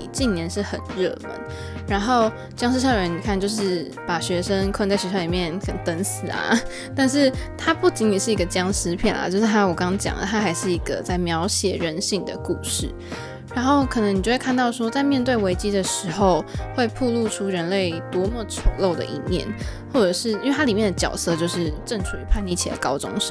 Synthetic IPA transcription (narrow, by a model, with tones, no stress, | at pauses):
t͡ɕi˥˩njɛ˧˥˦nʂɻ̩˥˩xə˨˩nɻɤ̰˥˩mə̰˧˥n | ɻa˧˥nxo˥˩ʊ | t͡ɕjɑ˥ŋʂ̬ɻ̩˥ʂɤ˥˩˨ɻə˧˥ni˨˩kʰa˥˩nt͡ɕjo˥˧ʊʂɻ̩˥˩ | pa˨˩ɕɥɛ˧˥ʂə˦ŋkʰnt͡sa˥˩ɪɕɥɛ˧˥ʂə˥li˨˩mjɛ˥˩nkʰə˨˩n˧˦t̪ə˧˥nsɹ̩˨˩ɐ̰˩ | t̪a˥˧nʂ̬ɻ̩˥˩t̪ʰa˥pu˥˩t͡ɕi˧˥ni˨˩ʂɻ̩˥˩i˧˥ɡə˧t͡ɕjɑ˥ŋʂɻ̩˥pʰjɛ̰˨˩nɐ̰˩t͡ɕjʊʂɻ̩˥˩t̪ʰa˧˥wɔ˨˩kɑ˥ŋt͡ɕjɑ̰˨˩ŋd̪ə̰˦t̪ʰa˥xa˧˥ɪʂɻ̩˥˩i˧˥ɡ̥ə̰˧t͡sa˥˩ɪmjɑ˧˥ʊɕjɛ˨˩ɻə˧˦˥nɕi˥˩ŋd̪ə̰˩ku˥˧ʂɻ̩˥˩ | ɻa˧˥nxo˥˩ʊkʰɤ˨˩nə˧˥ŋi˨˩t͡ɕo˥˧we˥˧kʰa˥˧n˧t̪ɑ˥˩ʊʂwɔ˥t͡sa˥˧ɪmjɛ˥˧nt̪we˥˩ɪwe˧˥ɪt͡ɕi˥d̪ə˨ʂɻ̩˧˥xo˥˧ʊxwe˥˧ɪpʰu˥˧lu˥˩ʈ͡ʂʰu˥ɻə˧˥nle˥˩ɪt̪wɔ˥mɔ˨˧ʈ͡ʂʰə˨˧˩lo˥˩ʊd̪ə̰˩ʔḭ˥˩njɛ̰˥˩n | xwɔ˥˩ʈ͡ʂɤ˨˩ʂɻ̩˥˩i˥nwe˥˩ɪa˥i˨˩mjɛ˥˩nd̪ə˩t͡ɕjɑ˨˩ʊsɤ˥˧t͡ɕjo˥˧ʊʂɻ̩˥˩ʈ͡ʂə˥˩nʈ͡ʂʰu˨˩ḭ˨˩pʰa˥˧ni˥˩t͡ɕʰɛ̰˨˩d̪ə̰˨˦kɑ˥ʊt͡sʊ̰˧˥ŋʂ̩˥˦